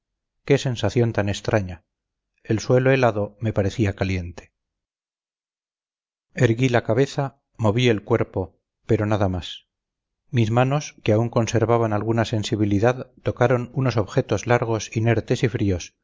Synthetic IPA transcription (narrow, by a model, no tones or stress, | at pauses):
ke̞se̞nsaθjo̞nt̪anest̪ɾʔaɲa | elswe̞loelaðo̞me̞paɾe̞θiakalje̞nt̪e̥ | eɾɣilakaβe̞θa | mo̞βie̞lkwe̞ɾpo̞ | pe̞ɾo̞naðamas | mizmano̞skeauŋko̞nse̞ɾβaβanalɣunase̞nsiβ̞iliðaðt̪o̞kaɾo̞nuno̞so̞βxe̞t̪o̞zlaɾɣ̞o̞sine̞ɾt̪e̞sifɾio̞s